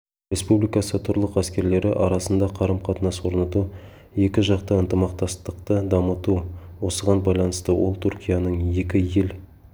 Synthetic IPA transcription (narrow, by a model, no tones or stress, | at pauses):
ɾʲe̞spublijkɑsət̪ʰʊɾlˠəqæskʲe̞ɾle̞ɾɪʔɑɾɑsənd̪ɑqʰɑɾəmqʰɑt̪ənɑswo̞ɾnət̪u | je̞kʲɪʒɑqt̪əənt̪əmɑq̚t̪ɑst̪əqt̪əd̪ɑmət̪uwo̞səʁɑnbɑjlˠɑnəst̪əwʔo̞̰lˠt̪ʰuɾkʲijɑnəɴje̞kʲɪje̞l